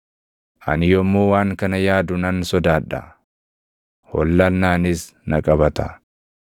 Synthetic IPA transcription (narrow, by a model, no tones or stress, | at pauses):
ʔɐ̰nɪjɔmːoːwaːŋkɐnɐjaːd̪ʊnɐnsɔd̪aːᶑɐ̰ | hɔ̰lːɐlnaːnɪs | nɐkʼɐbɐt̪ɐ